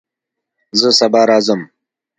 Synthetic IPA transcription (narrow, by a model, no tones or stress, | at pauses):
zəsɐbɑɾɑːzəm